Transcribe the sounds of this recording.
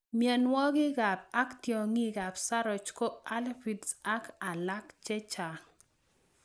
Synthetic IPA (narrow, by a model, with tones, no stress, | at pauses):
mjɛ˨nwɔ˦ɡɪ˦ɡa˨p̚a˦ktjo˨ŋi˦ɡa˨psa˦ɾɔ˨t͡ʃko˦a˦lfi˨dsa˦ka˨la˦kt͡ʃɛ˦t͡ʃa˨